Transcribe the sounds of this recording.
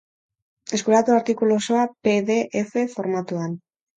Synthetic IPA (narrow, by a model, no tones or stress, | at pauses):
e̞skulat̪uaɾt̪ikulosoape̞ðe̞ʔefe̞fo̞ɾmat̪uan